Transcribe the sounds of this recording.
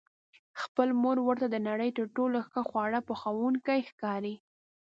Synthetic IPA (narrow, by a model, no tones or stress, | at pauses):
xpəlmoɾwəɾt̪ad̪ənaɽəjt̪əɾʈoloxəxwɑɽapəxawunkəjxkɑɾi